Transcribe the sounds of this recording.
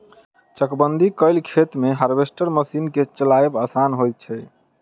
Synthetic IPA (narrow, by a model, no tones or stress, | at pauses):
t͡ʃəkbənd̪ʱikəjlkʰet̪meɦəɾbesʈəɾməsinket͡ʃəlajebasanɦojt̪̚t͡ʃʰɛ